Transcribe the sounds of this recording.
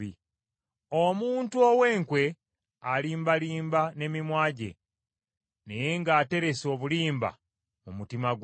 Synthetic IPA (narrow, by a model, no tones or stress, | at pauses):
i | omuːntuowe̞ːŋkwe̞ | aliːmbaliːmbane̞mimwaːɟe̞̰ | ne̞je̞ŋɡaːte̞ɾe̞so̞βuliːmba̰ | mumutimaɡ